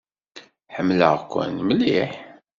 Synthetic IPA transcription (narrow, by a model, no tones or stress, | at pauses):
ħəmːlə̰ʁkʷːə̰nmliħ